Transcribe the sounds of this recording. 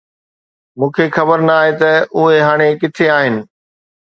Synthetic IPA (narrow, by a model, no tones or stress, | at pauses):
mũːkʰexɐbəɾnɐaːɦet̪ɐʊɦeɦaːɽ̃ekɪt̪ʰeaːɦɪnɪ̆